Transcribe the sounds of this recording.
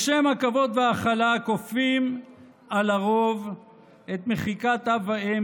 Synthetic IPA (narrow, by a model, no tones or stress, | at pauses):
ʃemhakavo̞d̪veaχalakofim | alaʁo̞v | e̞t̪me̞χikat̪avae